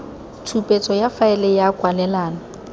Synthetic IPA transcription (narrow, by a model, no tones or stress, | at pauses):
tʰupʼet͡sʼɔjafaɛlɛjakʼwanɛlaːna